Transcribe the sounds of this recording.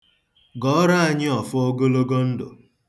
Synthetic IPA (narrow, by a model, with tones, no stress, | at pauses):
ɡɔ˨ɔ˦ɾa˦a˦ɲɪ˦ɔ˨fʊ˦o˦ɡo˦lo˦ɡo˦n̩˦dʊ̰˨